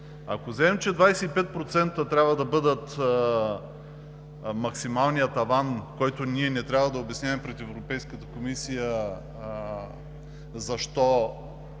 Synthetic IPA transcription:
a̰kozaɛmt͡ʃɛd̪vajsɛipɛt̪̚pɾot̪sɛnt̪ət̪ɾʲjabvəd̪ɐbɤd̪ət̪ | mɐksimalˠnijət̪ɐvankɔjt̪oniɛnɛt̪ɾʲabvəd̪ɐobɛsnʲavɛmpɾɛt̪ɛvɾopɛjskət̪əkomisijə | zɐʃt̪ɔ

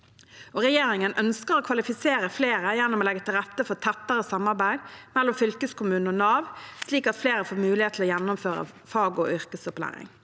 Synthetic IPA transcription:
ʔoːʁɛjeːɾɪŋənʔœnskəɾoːkʰʋɑlɪfɪseːɾəfleːɾəjɛnːɔmoːlɛɡət̪ʰɪlʁɛt̪ːəfɔt̪ʰɛt̪ːəʁəsɑmːɑʁbæɪd̪mɛlːɔmfʏlkəskʰʊmʉːnɔnɑːʋsliːkɑt̪fleːɾəfoːɾmʉːlɪheːt̪ʰlɔːjɛnːʊmføːɾə̰ | fɑːɡɔ̰ʔʏʁkəsɔplæ̰ːɾɪ̰ŋ

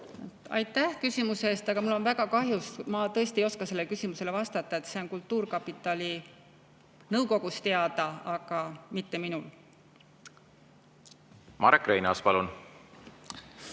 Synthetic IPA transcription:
t̪ɑ̰jt̪ːæhkysʲimuse̞ːst̪ɑɡ̥ɑmulːo̞nvæɡ̥ɑkɑɦjusmɑt̪ɤ̞est̪iejo̞skɑselːekysʲimuse̞le̞vɑst̪ɑt̪ːˑɑe̞t̪ːse̞o̞nkult̪ˑːuːrkɑpːˑit̪ːˑɑlʲi | nɤwko̞ɡ̥ust̪e̞ɑd̪̥ɑɑɡ̥ɑmit̪ːe̞minul | mɑ̰ɾkːrejnɑspɑlun

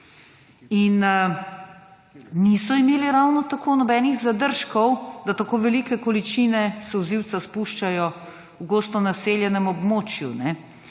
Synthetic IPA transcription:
in | niːsɔimeːliɾawnɔt̪akʰoːnɔbɛːniɣzad̪əɾʃkɔwd̪at̪akoːʋɛlikɛkɔlit͡ʃiːnɛsɛwziwt̪saspuʃt͡ʃajɔ | bɡoːst̪ɔnaseːljɛnɛmɔbmoːt͡ʃjunɛ

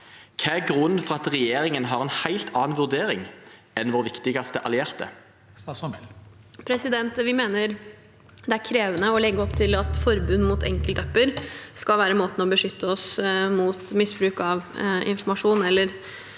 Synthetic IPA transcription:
kʰɛɡɾʉnːfɔʁɑt̪ʁɛjeːʁɪŋənɦɑʁɛnhæɪlt̪ʰɑːnʋʉʁd̪eːɾɪŋ | ɛnʋoːɾʋɪkt̪ɪɡɑst̪əʔɑ̰lɪeːʁt̪ə̰ | pʰɾɛsɪd̪ɛnt̪ʋɪmeːnəɾ | d̪ɛæɾkʰɾeːʋənəɔlɛɡːəɔpt̪ʰɪlɑt̪fɔɾbʉnːmuːt̪ʰɛ̰ŋkəlt̪œpːəɾskɑlʋæːɾəmoːt̪ən̩ɔbəʂʏt̪ːəɔsmuːt̪mɪsbɾʉːkɑʋɪ̰nfɔmɑʂuːnɛlːəɾ

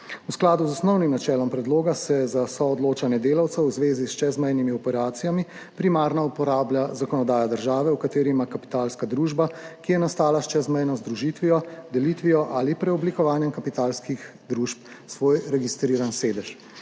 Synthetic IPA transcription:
usklaːd̪uzɔsnɔwnimnat͡ʃɛːlɔmpɾɛd̪loːɡasɛzasɔɔd̪loːt͡ʃanjɛd̪eːlawt̪sɐwzʋeːzist͡ʃɛzmɛjnimiɔpɛɾaːt̪sijami | pɾimaːɾnaupɔɾaːbljazakɔnɔd̪aːjad̪əɾʒaːʋɛwkat̪eːɾimakapi̥t̪aːlskad̪ɾuːʒbakijɛnast̪aːlast͡ʃɛzmɛjnɔzd̪ɾuʒit̪ʋiɔd̪ɛliːt̪ʋiɔʔaːlipɾɛɔblikɔʋaːnjɛmkapit̪aːlskixd̪ɾuʃp | sʋoːjɾɛɡist̪ɾiːɾanseːd̪ɛʃ

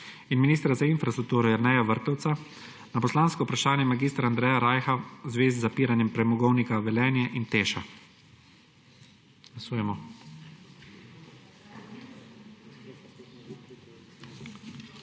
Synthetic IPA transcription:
inminiːst̪ɾazainfɾast̪ɾuk̚t̪uːɾɔjaɾnɛjaʋəɾt̪ɔwt̪sa | napɔslaːnskɔʊpɾaʃaːnjɛmaɡiːst̪ɾaand̪ɾɛːjaɾajxazʋeːzizapiːɾanjɛmpɾɛmɔɡɔwnikaʋɛlɛːnjɛʔint̪eːʃa | ɡ̥lasuːjɛmɔ

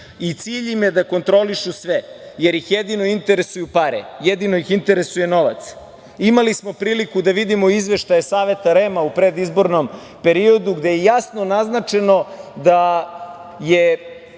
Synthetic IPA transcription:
it̪siːʎimjed̪ako̞nt̪ɾo̞liʃusʋejeɾjixjed̪ino̞int̪e̞ɾe̞sujupaɾḛjed̪inojixint̪e̞ɾesuje̞no̞ʋa̰t̪s | imalismo̞pɾiːlikud̪aʋid̪imo̞izʋe̞ʃt̪ajesaːʋe̞t̪aɾemaupɾe̞d̪izbo̞ɾno̞m | pe̞ɾio̞d̪uɡd̪ejejasno̞naznat͡ʃe̞no̞d̪a | je

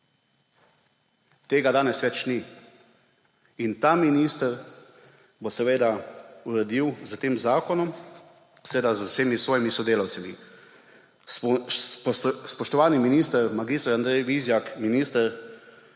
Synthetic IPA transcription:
t̪eːɡad̪aːnɛsʋɛt͡ʃni | int̪aminiːst̪əɾ | bɔsɛʋeːd̪auɾɛd̪iwzət̪eːmzaːkɔnɔm | sɛʋeːd̪azəseːmisʋɔːjimisɔd̪eːlawt̪sɛmi | spɔʃt̪ɔʋaːniminist̪əɾmaɡist̪ɾand̪ɾɛjʋizjakminiːst̪əɾ

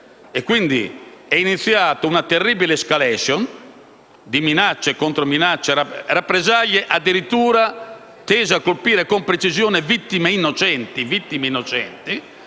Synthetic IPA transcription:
ɛkːwind̪ḭɛinit̪sːjaːt̪ounat̪erːiːbileskalɛʃjɔn | d̪iminat͡ʃːɛkont̪ɾominat͡ʃːɛarapːɾɛzaʎːɛʔad̪ːiɾit̪ːuːɾa | t̪ɛːzakolpiːɾɛkompɾet͡ʃizjɔːnɛvit̪ːimeinːɔt͡ʃɛnt̪ivit̪ːimeinːɔt͡ʃɛ̰nt̪i

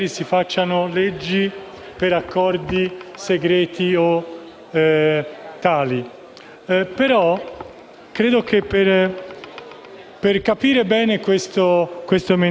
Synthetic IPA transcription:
ɾisifat͡ʃːanoled͡ʒːi | peɾakːɔrd̪iseɡɾɛːt̪io | t̪ːaːli | peɾɔ | kɾeːd̪ok̟epːer | perkapiːɾebɛːnekwest̪okwest̪oeme

